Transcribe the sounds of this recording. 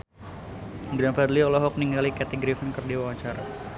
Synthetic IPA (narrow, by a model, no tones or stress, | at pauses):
ɡɾanfɛrliɔlɔɦɔk̚niŋalikat̪iɡɾifənkərdiwawaɲt͡ʃaɾa